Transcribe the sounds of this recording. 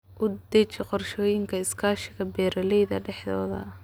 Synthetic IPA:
ʔʊd̪ɛt͡ʃɪqɔrʃɔːjɪŋkʰɐɪskʰaːʃɪɣɐbɛːɾɐlɛjðɐ̰ɖɛħðɔ̰ːðɐ̰

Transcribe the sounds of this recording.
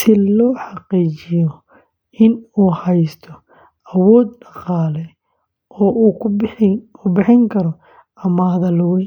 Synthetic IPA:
sɪlɔːħɑqiːt͡ʃɪjɔ | ɪnuːhɛjst̪ʰɔ | ʔɐwɔːd̪̚ɖɑqɑːlɛ | ʔɔːʔuː | ʊbɪħɪŋkʰɐɾɔ | ɐmɐhðɐlʊwɛj

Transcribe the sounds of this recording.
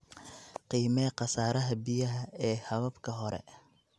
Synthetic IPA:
qiːmɛːqɑsaːɾɐɦɐbɪjɐɦɐɛːhɐβɐbkʰɐɦɔɾɛ̰

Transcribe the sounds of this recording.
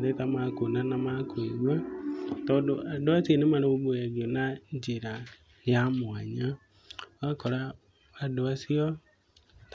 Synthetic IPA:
ɾɛtamakonanamakweβwatɔdoʔadoasienemaɾeoβojaɣiɔnaɲd͡ʒeɾa | jamwaɲa | akɔɾa | adoasiɔ | t

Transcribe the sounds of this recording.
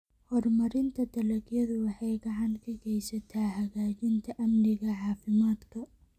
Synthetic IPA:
hɔrmɐɾɪnt̪ʰɐd̪ɐlɐɡjɐðʊwɑħɑjɡɑʕɑnkʰɐɡɛjsɐt̪ʰaːhɐɣaːt͡ʃɪnt̪ʰɐʔɐmnɪɣɐʕɑːfɪmaːd̪kʰɐ

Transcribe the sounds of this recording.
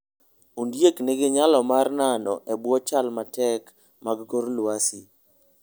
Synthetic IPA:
undjekneɡeɲalɔmarnanɔ̰ʔɛbwɔt͡ʃalmatɛk | maɡɡoɾlwasi

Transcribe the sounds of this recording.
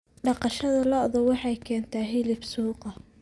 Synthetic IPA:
ɖɑqɑʃɐðɐlɔʔðɔwɑħɑjkʰɛːnt̪ʰɐɦɪlɪbsuːqɐ

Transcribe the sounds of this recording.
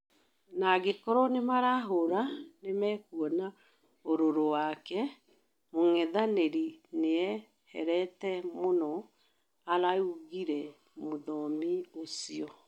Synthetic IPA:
naɡekɔɾɔnemaɾaɦoɾanemɛːkuɔna | oɾoɾowakɛ | moŋɛðaneɾineɛ | hɛ̰ɾɛtɛmonɔ | aɾauɣiɾɛ | moðɔmiosiɔ

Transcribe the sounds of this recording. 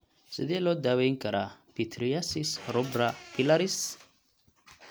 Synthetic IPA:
sɨd̪ielod̪aweŋkaɾʔapit̪ʰɾijasisɾobɾapilaɾis

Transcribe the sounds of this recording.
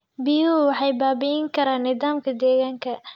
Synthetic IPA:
biːuwɑħɑjbaːbɪɪŋkʰɐɾaːnːɪðaːmkʰɐd̪ɛːɣaːŋkʰɐ

